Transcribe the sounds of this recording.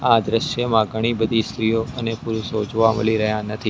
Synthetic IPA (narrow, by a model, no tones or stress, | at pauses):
ãd̪ɾɪʃjəmãɡʱəɽ̃ibəd̪ʱist̪ɾijoənepuɾusod͡ʒʋãməliɾəɦjãnət̪ʰi